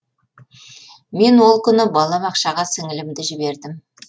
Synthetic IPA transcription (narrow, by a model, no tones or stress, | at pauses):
me̞nwo̞lˠkʲʰʏnɪbɑlˠɑmɑqʃɑʁɑsɪŋɪlɪmd̪ɪʒɪbe̞ɾd̪ɪm